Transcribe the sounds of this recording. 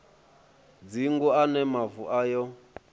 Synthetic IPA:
d͡ziŋɡuanɛmavuʔajɔ

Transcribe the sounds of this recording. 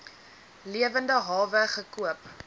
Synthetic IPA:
liəvəndəɦɑːvəχəkuəp

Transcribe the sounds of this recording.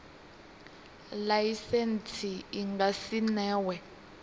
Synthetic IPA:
lajisent͡sʰiiŋɡasinɛːwɛ

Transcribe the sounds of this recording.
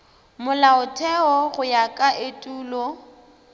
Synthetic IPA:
mʊlaʊtʰɛɔɣʊjakʼaʔetʼuːlɔ

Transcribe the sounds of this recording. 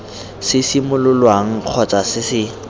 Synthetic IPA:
sɪsimʊlʊlwaŋ̩q͡χʰɔt͡sʼasɪsɪ

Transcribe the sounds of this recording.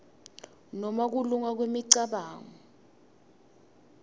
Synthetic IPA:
nɔmak̬uluŋak̬wemiǀaɓaːŋɔ

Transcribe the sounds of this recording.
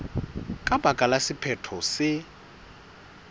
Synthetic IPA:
kʼabʱakʼalasɪpʰɛtʰɔsɪ

